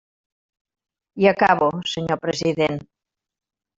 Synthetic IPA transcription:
iəkaβosəɲopɾəziðen

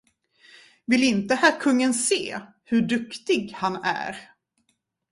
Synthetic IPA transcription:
vɪlɪnt̪əhæːɾkʰɵŋːənsḛː | hɵɖɵkt̪ɪɡhanæ̰ɾ

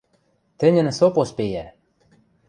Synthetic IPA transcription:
t̪ɘ̆nʲɘ̆nsopospejæ

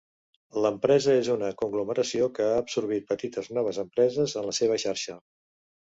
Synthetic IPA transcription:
ləmpɾɛzəezunəkuŋɡluməɾəsiokəaːbsuɾβ̞it̪̚pət̪it̪əznɔβ̞əzəmpɾɛzəzənləseβ̞əʃaɾʃə

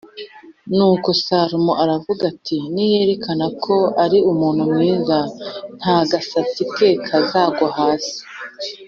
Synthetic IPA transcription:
nuːko̞saːɾumoʔaɾavuɡatʰinije̞ːɾe̞kʰanakʰo̞aɾiumuːn̥humŋiːzan̥haɡasat͡sike̞kʰazaːɡohaːsi̥

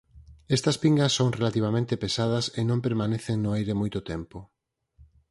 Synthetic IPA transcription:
ɛst̪ɐspiŋɡɐsːoŋrelat̪iβ̞amẽnt̪epesað̞ɐsenõmpeɾmaneθeŋnʊajɾemojt̪ʊt̪ɛmpʊ

